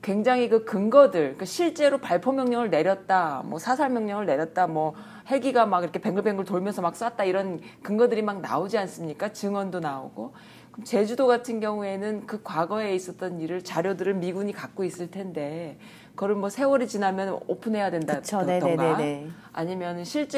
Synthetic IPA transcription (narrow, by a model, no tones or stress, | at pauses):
kwe̞ŋd͡ʑaŋɦikɯkɯŋɡʌdɯɭk͈aɕʰiɭt͡ɕ͈e̞ɾopaɭpʰomjʌŋɲʌŋɯɭne̞ɾjʌt̚t͈amwʌsʰasʰaɭmjʌŋɲʌŋɯɭne̞ɾjʌt̚t͈amwʌ | he̞ɡiɡamakiɾʌkʰe̞pe̞ŋɡɯɭpʰe̞ŋɡɯɭtoɭmjʌnsʰʌmak̚s͈at̚t͈aiɾʌnkɯŋɡʌdɯɾimaŋna̰od͡ʑians͈ɯmɲik͈at͡ɕɯŋwʌndonao̰ɡo | kʌmt͡ɕe̞d͡ʑudoɡatʰɯnɡjʌŋue̞nɯnkɯkwaɡʌe̞is͈ʌt̚t͈ʌniɾɯɭt͡ɕaɾjodɯɾɯnmiɡuɲikak̚k͈ois͈ɯɭtʰe̞nde̞ | kʌɾɯnmwʌsʰe̞wʌɾit͡ɕinamjʌnopʰɯnɦe̞jadwendaoʌɡe | a̰ɲimjʌnɯnɕʰiɭt͡ɕ͈